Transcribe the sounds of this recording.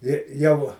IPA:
ɪr ˈjɛʊ

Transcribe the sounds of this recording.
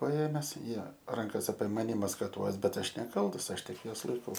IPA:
pɐˈeːmʲɛs ˈjiɛ ˈrɐŋkɐs ɐpʲiɛ ˈmɑːnʲɪ mɐskɐˈtuɔs ˈbʲɛt ˈɐʃ nʲɛˈkɐlˠtɐs ˈɐʃ ˈtʲɪk ˈjuɔs lˠɐɪˈkɐʊ

